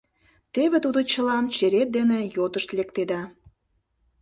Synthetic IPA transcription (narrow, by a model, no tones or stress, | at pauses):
t̪eβet̪ud̪ot͡ɕə̆lɑmt͡ɕeɾet̪̚d̪enejot̪əʃt̪lek̚t̪ed̪ɑ